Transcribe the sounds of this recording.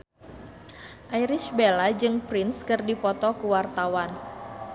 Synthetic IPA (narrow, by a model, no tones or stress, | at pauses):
ʔaiɾɪʃbelad͡ʒɨŋpɾɪnskɨrdipɔt̪ɔkuwart̪awan